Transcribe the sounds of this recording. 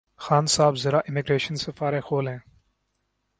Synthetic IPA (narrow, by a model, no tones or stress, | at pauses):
xaːnsaːbzɐɾaːʔɪmɪɡɾeːʃənsɐfaːɾeːxoːlẽː